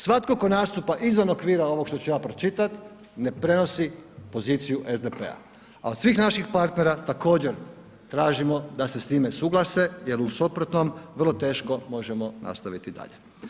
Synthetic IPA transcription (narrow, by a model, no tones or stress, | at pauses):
sʋat̪kokonaːst̪upaʔizʋano̞kʋiːɾao̞ʋo̞kʃt̪ot͡ʃujaːpɾo̞t͡ʃit̪at̪ | ne̞pɾe̞no̞sipo̞ziːt̪sijuʔezd̪epe̞̰a̰ | a̰o̞d̪̥sʋiːxnaʃixpaɾt̪ne̞ɾat̪ako̞ːd͡ʑeɾ | t̪ɾaːʒimo̞d̪ase̞st̪iːmesuɡlˠase̞jelusupɾot̪nomrlˠo̞t̪e̞ːʃko̞mo̞ʒemo̞na̰st̪aʋit̪id̪a̰ʎe